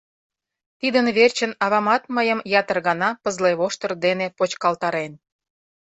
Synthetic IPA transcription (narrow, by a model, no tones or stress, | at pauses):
t̪id̪ənβert͡ɕənɑβɑmɑt̪məjəmjɑt̪ərɣɑnɑpəzleβoʃt̪ə̆rd̪enepot͡ɕkɑlt̪ɑɾen